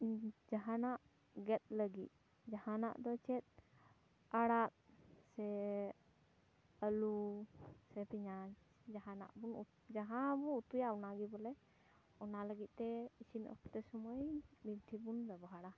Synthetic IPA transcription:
d͡ʒaɦanaʔ | ɡɛt̪̚ˀləɡit̪̚ˀ | d͡ʒahana̰ʔd̪ɔt͡ʃɛt̪̚ | aɽat̪̚sɛ | əlu | sɛpiɲa | d͡ʒaɦãna̰ʔbun | d͡ʒaɦãbuut̪ujaɔnaɡibɔlɛ | ɔnaləɡit̪̚ˀt̪ɛisinɔ̰pʰt̪ɛsɔmɔjbit̪ʰibund̪ɛbɦaɽa

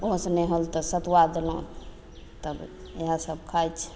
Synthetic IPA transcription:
osnɛɦəlt̪ɔsət̪wad̪elõ | t̪əbeɦasəbkʰajt͡ʃʰ

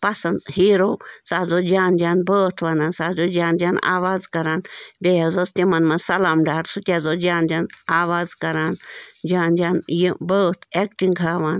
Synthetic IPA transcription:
pɐsɐnd̪hiːɾoːsaːzoːd͡ʒaːnd͡ʒaːnbəːt̪ʰʋɐnaːnsaːzoːd͡ʒaːnd͡ʒaːna̰ːʋaːzkɐɾaːnbʲejazoːst̪imɐnmɐnsɐlaːmɖaːɾsut̪ʲaːzoːd͡ʒaːnd͡ʒʲaːnaːʋaːzkɐɾaːnd͡ʒaːnd͡ʒaːnjibəːt̪ʰekʈiŋɡɡʱaːʋaːn

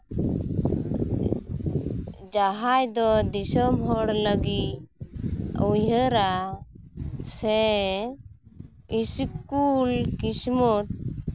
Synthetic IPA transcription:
d͡ʒaɦajd̪ɔd̪isɔmɦɔɽləɡi | ujəɾa | sɛ̃ | iskulkismɔt̪̚

